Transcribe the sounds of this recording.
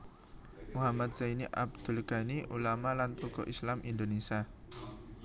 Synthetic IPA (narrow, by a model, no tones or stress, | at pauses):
muɦamat̪̚sainiʔa̰b̚d̪̥ṳlɡ̥aniʔulamalant̪ɔkɔ̰ʔislamʔind̪onesia